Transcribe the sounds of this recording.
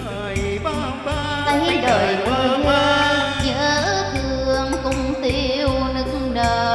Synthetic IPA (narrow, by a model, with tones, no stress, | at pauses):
t̪a˧˦jɗəː˨˩jko˧˨˧ɲə̰˧˥t̪ɨ˧˩əəŋkʊ˧ŋ͡mt̪i˧wnɨ˦˥k̚ŋ̩ɗəː˨˩